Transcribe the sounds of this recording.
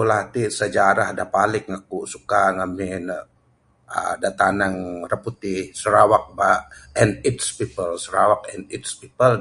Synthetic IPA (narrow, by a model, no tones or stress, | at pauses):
ulat̪isəd͡ʒaɾahdapalɪk̚ŋakusukaŋamɪn | ə̰dat̪anaŋrəput̪isəɾawak̚baɛnit̪spipəlsəɾawak̚ɛnit̪spipəl